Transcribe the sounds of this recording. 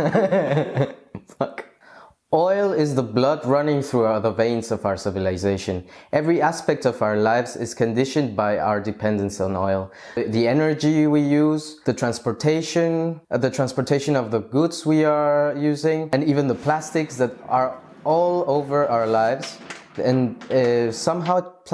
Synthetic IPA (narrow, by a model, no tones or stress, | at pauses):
ʌk | ɔɪlˠɪzðəblʌd̚ɹʌnɪ̃ŋθɹuaðəvẽɪ̃nzʌvaʊə˞sɪvɨlˠɪzeɪʃɨ̃nʔɛvɹiæspɛk̚tʌvaʊə˞laɪvzɪ̰z̥kʰɨ̃ndɪʃɨ̃n̚baɪa̰ʊə˞dɨpʰɛ̃ndɨ̃nsnɔ̰ɪlˠ | ðiɛnə˞d͡ʒiwijuzðɨtʰɹ̥æ̃nspəɹtʰeɪʃɨ̃nðɨtʰɹ̥æ̃nspə˞tʰeɪʃɨ̃nʌvðəɡʊdzwiə˞jʉzɪ̃ŋɨ̃nivɨ̃nðəpʰl̥æstɨksðɨɾə˞ | ɔlˠoʊvə˞aʊə˞laɪvz̥ | ɨ̃n | sʌ̃mɦaʊ